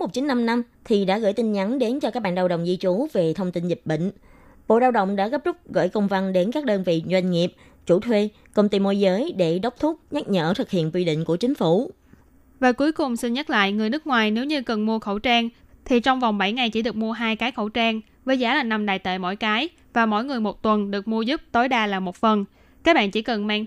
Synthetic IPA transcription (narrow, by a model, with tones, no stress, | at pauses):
mo˨˩t̚t͡ɕï˨˦nna˧mna˧m | t̪ʰi˨˩ɗa̰ː˧˥ɣə̰ː˧˩˨jt̪i˧nɲa˨˦nɗe˨˦nt͡ɕɔ˧kaː˦˥k̚ɓa̰ː˧nɗaː˧wɗə̰˧˨wŋ͡mzi˧t͡ɕu˨˦ve˨˩t̪ʰə˧wŋ͡mt̪i˧nzi˨˩p̚ɓḭ̈˧˨ŋ̟ | ɓo̰˧˨ɗaː˧wɗə̰˧˨wŋ͡mɗa̰ː˧˥ɣə˦˥p̚zʊ˦˥k͡p̚ɣɔ̰ː˧˨jkə˧wŋ͡mva˧nɗe˨˦nkaː˦˥k̚ɗəː˧nvḭ˧˨zwa˧jŋ̟ŋi˨˩əp̚ | t͡ɕu˧˩t̪ʰwe˧ | kə˧wŋ͡mt̪i˧mo˧jzəː˨˦jɗe˧˩ɗə˦˥wk͡p̚t̪ʰʊ˦˥k͡p̚ɲa˦˥t̚ɲə̰ː˧˩t̪ʰɨ˨˩k̚hḭ˧˨ənkwi˧ɗḭ˧˨ŋ̟ku˧˩ət͡ɕï˨˦ŋ̟fu˧˩ | vaː˨˩ku˨˦əjkʊ˨˩ŋ͡msi˧nɲə˦˥t̚la̰ː˧˨jŋɨ˨˩əjnɨ˦˥k̚ŋwaː˨˩jne˨˦wɲɨ˧kə˨˩nmu˧əxə˧˩wt͡ɕaː˧ŋt̪ʰi˨˩t͡ɕɔ˧wŋ͡mva˨˩wŋ͡mɓa˧˩jŋa˨˩jt͡ɕi˧˩˦ɗɨ˨˩ək̚mu˧əɦaː˧jkaː˨˦jxə˧˩wt͡ɕaː˧ŋ | vəː˨˦jzaː˨˦laː˨˩na˧mɗaː˨˩jt̪ḛ˧˨jmo̰˧˥˨jkaː˨˦j | vaː˨˩mo̰˧˥jŋɨ˨˩əjmo˨˩t̚t̪wə˨˩nɗɨ˨˩ək̚mu˧əzu˦˥p̚t̪o˨˦jɗaː˧laː˨˩mo˨˩t̚fə˨˩n | kaː˦˥k̚ɓa̰ː˧˨nt͡ɕi˧˩kə˨˩nmaː˧ŋ